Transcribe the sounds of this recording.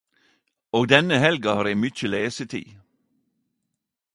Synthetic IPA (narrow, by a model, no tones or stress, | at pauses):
oːɡd̪ɛnəhɛlɡɑhɑːɾiːmʏc͡çəleːsət̪ʰḭː